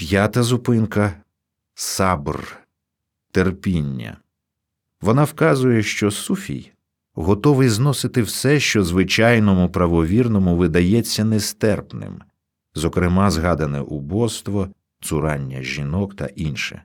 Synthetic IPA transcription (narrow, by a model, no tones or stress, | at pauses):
pʲjat̪ɐzʊpɪnkɐ | sɑbr | t̪erpʲinʲːɐ̰ | ʋɔnɑwkɑzʊjɛʃt͡ʃɔsufʲḭj | ɦɔt̪ɔʋɪjznɔsɪt̪ɪwsɛʃt͡ʃɔzʋɪt͡ʃɑjnɔmʊpɾɐʋɔʋʲirnɔmʊʋɪd̪ɐjɛt͡sʲːɐnɛst̪ɛrpnɪ̰m | zɔkɾɪmɑzɦɑd̪ɐnɛʔubɔst̪ʋɔ | t̪sʊɾɑnʲːɐʒʲinɔkt̪ɐ̰ʔinʃɛ̰